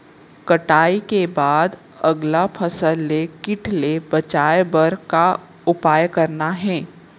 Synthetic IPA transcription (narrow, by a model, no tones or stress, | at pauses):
kɐʈaːikebaːd̪ | ɐɡlapʰɐsəlːekɪʈʰlebɐt͡ʃaːjebəɾka | ʊpaːjkɐɾnaɦɛ̃ː